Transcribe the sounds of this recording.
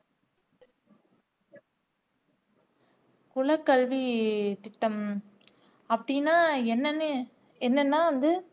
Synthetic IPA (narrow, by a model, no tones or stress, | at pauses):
kʊɭɐkːɐɭʋit̪ɪt̪ːɐm | ɐpːɐɽɪnːaːɛnːɐnɯ | ɛnːɐnːaːɐnd̪ɯ